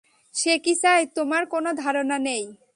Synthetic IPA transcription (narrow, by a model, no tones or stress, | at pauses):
ʃekisaet̪omaɾkonod̪ʱaɾonanej